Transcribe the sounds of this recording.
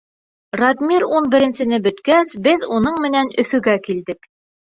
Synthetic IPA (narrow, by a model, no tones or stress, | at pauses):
rad̪mʲiɾunbɘ̆ɾɘ̆nsɘ̆nɘbɵ̆t̪kæsbɘðunɤɴmɘ̆nænɵ̆θɵ̆ɡækild̪ɘk